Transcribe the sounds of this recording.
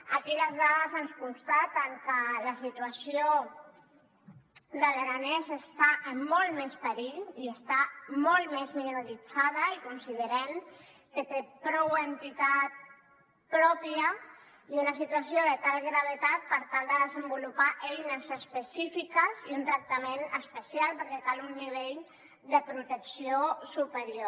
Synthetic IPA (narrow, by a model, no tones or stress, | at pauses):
akiləzðaðəzanskunst̪at̪əŋkələsit̪uasio | dəleɾanezəst̪aʔəmːɔlˠmɛspəɾiʎiest̪amɔlˠmezminuɾalid͡zað̞əikunsiðəɾɛn | ket̪epɾɔwent̪it̪at̪̚ | pɾɔpiə | iunəs̬it̪uasjoðət̪alɣɾəβ̞ət̪at̪̚pəɾt̪alˠd̪əðəzəmbulupaʔejnəzəspəsifikəziunt̪ɾək̚t̪əmenəspəsialˠpəɾkɛt̪alunːiβ̞eʎ | d̪əpɾut̪əksiosupəɾio